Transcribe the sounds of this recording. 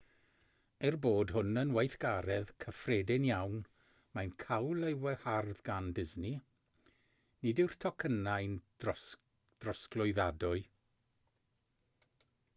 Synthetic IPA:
ɛrboːd̥ɦʊnənwajθɡ̥aɾɛðkʰəfredɪnjawn | majnkʰawlˠewɛharðɡandɪzni | nɪdɪwr̥tʰɔkʰənajn | d̥rɔsklˠʊɨðadʊɨ

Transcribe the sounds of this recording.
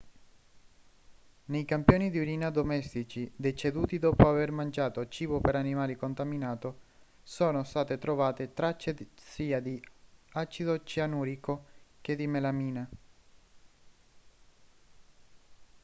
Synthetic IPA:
nejkampjoːnid̪iuɾiːnad̪omɛst̪it͡ʃid̪et͡ʃed̪uːt̪id̪ɔːpoavermand͡ʒaːt̪ot͡ʃiːbopeɾanimaːlikont̪aminaːt̪o | soːnost̪aːt̪et̪ɾovaːt̪et̪ɾat͡ʃːesiːad̪iat͡ʃid̪ot͡ʃianuːɾikok̟ed̪imelamiːna

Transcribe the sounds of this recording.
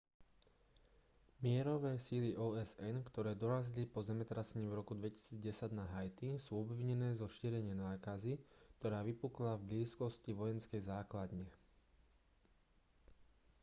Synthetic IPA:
mɪɛɾɔʋɛːsiliʔɔːɛzɛnkt̪ɔɾɛːd̪ɔɾazilipɔzɛmɛt̪ɾasɛɲiːvɾɔkud̪ʋɛci̥siːd͡zɟɛsaɟnaɦajt̪isuːɔbʋiɲɛnɛːzɔʃiːɾɛɲɪɛnaːkazikt̪ɔɾaːʋipuklavbliːskɔsciʋɔjɛnskɛjzaːklad̪ɲɛ

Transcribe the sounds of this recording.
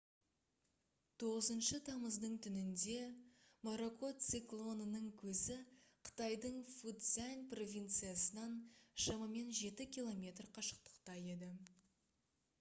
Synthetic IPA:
t̪ʰo̞ʁəzənʃət̪ʰɑməzd̪əɴt̪ʰʏnɪnd̪e̞moɾo̞ko̞t̪siklˠo̞nənəɴkʲʰɵzɪqʰə̥t̪ɑjd̪əɴfut̪zænʲpro̞vʲijnt̪sɨijasənɑnʃɑmɑme̞nʒe̞t̪ɪkʲilˠo̞mʲe̞t̪rqʰɑʃə̥q̚t̪ə̥qt̪ɑje̞d̪ɪ

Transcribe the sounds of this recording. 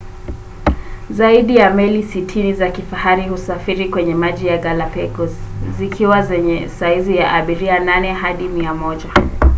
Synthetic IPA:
zaiɗijamɛlisitʰinizakifahaɾihusafiɾikwɛɲɛmaʄijaɡalapɛɡɔzzikʰiwazɛɲɛsaizijaʔaɓiɾiananɛɦaɗimiamɔʄa

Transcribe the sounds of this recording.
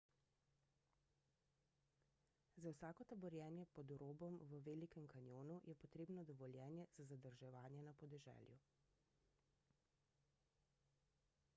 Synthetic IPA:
zawsaːkɔt̪abɔɾjɛːnjɛpɔd̪ɾoːbɔmʋəʋeːlikɛmkanjoːnujɛpɔt̪ɾeːbnɔd̪ɔʋɔljɛːnjɛz̥azad̪əɾʒɛʋaːnjɛnapɔd̪ɛʒɛ̰ːljṵ

